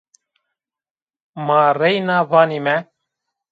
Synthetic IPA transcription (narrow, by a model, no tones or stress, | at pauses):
maːrɛjnaːvaːnimɛ